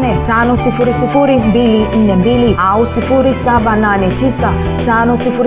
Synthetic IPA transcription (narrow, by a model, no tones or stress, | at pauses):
nɛtanɔsifuɾisifuɾimbilin̩nɛmbiliausifuɾisaɓananɛtisa | tanɔsifuɾ